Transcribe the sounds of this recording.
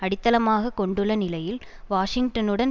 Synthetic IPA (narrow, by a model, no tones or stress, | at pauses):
ɐɽɪt̪ːɐlɐmaːɣɐkːɔɳɖɯɭːɐnɪlɐjɪlʋaːʂɪŋɡʈɐnɯɽɐn